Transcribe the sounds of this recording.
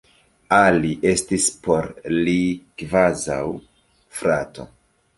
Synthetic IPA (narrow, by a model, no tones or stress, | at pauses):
aliʔe̞stispo̞ɾlikvaza̰w | fɾato̞̰